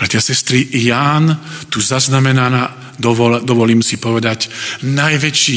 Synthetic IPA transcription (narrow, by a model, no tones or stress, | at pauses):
pɾɛt̪ɪasɛst̪ɾijaːnt̪uzaznamɛnanaː | d̪ɔɔd̪ɔʋɔliːmsipɔʋɛd̪acnajʋɛt͡ʃiː